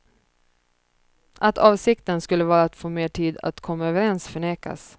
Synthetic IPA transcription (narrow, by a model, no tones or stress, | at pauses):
ʔat̪ʰɑːvsɪkt̪ənskɵlːəvɑːɾaːt̪foːmeːʈʰiːd̪a̰t̪kʰɔmːaøːvəɾɛnsfœɳeːka̰s